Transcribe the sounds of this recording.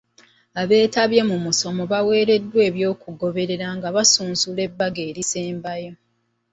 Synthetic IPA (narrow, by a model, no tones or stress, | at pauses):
aβe̞ːtaβje̞mumuso̞mo̞βawe̞ːɾe̞dːwe̞ːβjo̞ːkuɡo̞βe̞ɾe̞ɾaŋɡaβasuːnsule̞bːaɡe̞ːɾiseːmbajo̞